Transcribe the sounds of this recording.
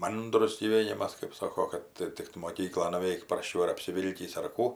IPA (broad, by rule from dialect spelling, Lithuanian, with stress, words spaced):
ˈmɐndrʊs ɡʲiːˈʋʲeːnʲɪmɐs kɜp ˈsoːkoː kɐt ˈtʲɪk tʊ moːˈkʲiːklˠoːn nʊˈʋʲɛɪk prɐsʲˈt͡ʃʲɛʊ ɐr ɐpʲsʲɪˈʋʲɪlʲkʲiːs ɐr ˈkuː